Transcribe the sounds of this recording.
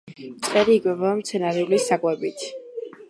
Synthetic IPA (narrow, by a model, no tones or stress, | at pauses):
mt̪sʼqʼɛɾiːɡʼwɛbɔamt̪sʰɛnaɾɛulisakʼwɛbit̪ʰ